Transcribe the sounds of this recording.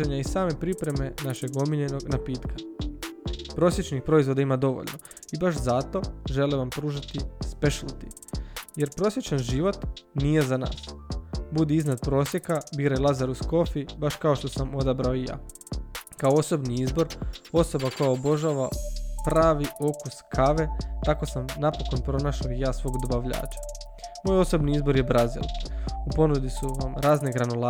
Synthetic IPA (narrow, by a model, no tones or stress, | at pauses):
eɲaisaːme̞pɾipɾe̞me̞naʃe̞ɡo̞miʎe̞no̞ɡnapiːt̪ka | pɾo̞sje̞t͡ʃnixpɾo̞izʋo̞d̪aimad̪o̞ʋo̰ʎno̞ | ibaʃzat̪o̞ʒe̞leʋampɾuːʒat̪ispeʃlˠt̪i | je̞ɾpɾo̞sʲjet͡ʃanʒiʋo̞t̪nije̞zana̰ːsbud̪iiznad̪̚pɾo̞ːsje̞kabiːɾajlˠazaɾusko̞fibaʃkao̞ʃt̪o̞samo̞d̪abɾaoija̰ː | kaoo̞so̞bniizbo̞ɾo̞so̞bako̞jaobo̞ʒaːʋapɾaːʋio̞kuskʰaʋe̞t̪ako̞samnapo̞ko̞npɾo̞naːʃaijaːsʋo̞ːɡd̪obaʋʎa̰ːt͡ʃḁ | mo̞jo̞so̞bniizboɾjebɾazḭlupo̞nud̪isuʋamɾaːzneɡɾanola